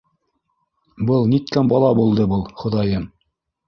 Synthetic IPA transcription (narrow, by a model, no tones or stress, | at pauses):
bɤlˠnit̪̚kæmbɑlˠɑbulˠd̪ɤbɤlˠχŏðɑjɤm